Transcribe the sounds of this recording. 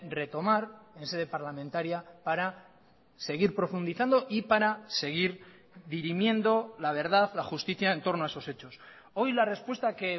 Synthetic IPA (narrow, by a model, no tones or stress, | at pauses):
re̞t̪o̞maɾe̞nse̞ð̞e̞paɾlamẽnt̪aɾjapaɾa | se̞ɣ̞iɾpɾo̞fund̪iθand̪o̞ʔipaɾase̞ɣ̞iɾ | ðiɾimjẽ̞nd̪o̞laβ̞e̞ɾð̞aðlaxust̪iθjae̞nt̪o̞ɾnoaeso̞se̞t͡ʃo̞s | o̞jlare̞spwe̞st̪ake